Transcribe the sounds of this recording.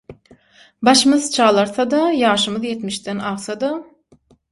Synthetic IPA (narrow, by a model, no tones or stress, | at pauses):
bɑʃɯmɯðt͡ʃʰɑːlˠɑɾθɑd̪ɑjɑːʃɯmɯðjet̪miʃd̪ænɑʁsɑd̪ɑ